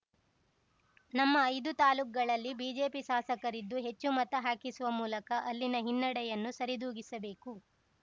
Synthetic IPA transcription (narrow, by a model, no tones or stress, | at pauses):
nɐmːɐːjd̪ut̪aːluːk̚ɡɐɭɐlːibiːd͡ʒe̞ːpiʃaːsɐkɐɾid̪ːuɦe̞t͡ʃːumɐt̪ɐɦaːkisuʋɐmuːlɐkɐʔɐlːinɐɦinːɐɽɛjɐnːusɐɾid̪uːɡisɐbe̞ːku